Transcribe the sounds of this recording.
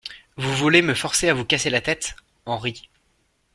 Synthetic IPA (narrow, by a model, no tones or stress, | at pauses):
vuvuleməfɔʁseavukaselat̪ɛt̪ | ɑ̃ʁi